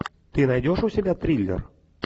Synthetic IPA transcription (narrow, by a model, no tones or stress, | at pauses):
t̪ɨnajdʲoʂusʲɪbʲat̪ɾʲilʲːḛr